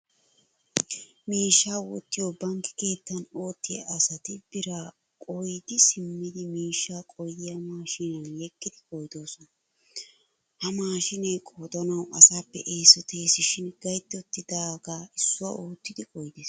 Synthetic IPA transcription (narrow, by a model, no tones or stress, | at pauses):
miːʃːaːwɔ̰t̪ːɪjoːbɐŋkːɪ̥ke̞ːt̪ːɐno̞ːt̪ːɪjɐ̰ʔɐsɐt̪ɪb̥ɪɾaː | kʼɔjd̪ɪsɪmːɪd̪ɪmiːʃːaːkʼɔjd̪ɪjɐmaːʃiːnɐnjɛkːɪd̪ɪkʼɔjd̪o̞ːsɔnɐ | hɐmaːʃɪnɛjkʼoːd̪ɔnɐwʔɐsaːpːɛ̰ʔeːsɔt̪ʰe̞ːsɪʃɪnɡɐjt̪ːɔt̪ːɪd̪aːɡaːɪsːʊɐ̰oːt̪ːɪd̪ɪkʼɔjd̪ɪːs